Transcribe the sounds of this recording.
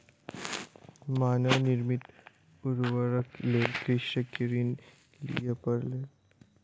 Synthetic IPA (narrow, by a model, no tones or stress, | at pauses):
manəʋniɾmit̪ | uɾʋəɾəkleɾkiɕɕəkiɾiːn | lḭjepəɾle